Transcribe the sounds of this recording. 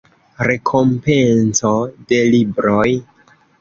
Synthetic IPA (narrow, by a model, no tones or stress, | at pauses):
ɾe̞kʰo̞mpe̞nsode̞libɾo̞j